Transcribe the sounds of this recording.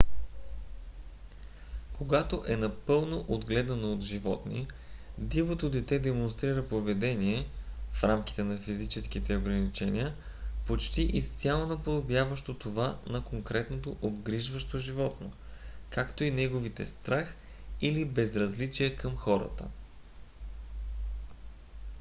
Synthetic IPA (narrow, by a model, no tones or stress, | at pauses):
kʰoɡat̪oʔɛnɐpɤlˠnoʔod̪ɡlɛd̪ɐnood̪ʒivɔ̰t̪nḭ | d̪ivot̪od̪ɛt̪ɛd̪ɛmonst̪ɾiɾəpovɛd̪ɛniɛfɾamkʲi̥t̪ɛnɐfizit͡ʃɛskit̪ɛoɡɾɐnit͡ʃɛnḭə | pot͡ʃt̪iʔist̪sʲjalˠonɐpod̪objavəʃt̪ot̪ovanɐkoŋkɾɛt̪not̪oʔobɡɾiʒvəʃt̪oʒivɔt̪no̰kakt̪oinɛɡovit̪ɛst̪ɾax | ilibɛzɾɐzlit͡ʃiɛkəmxɔɾə̰t̪ə̰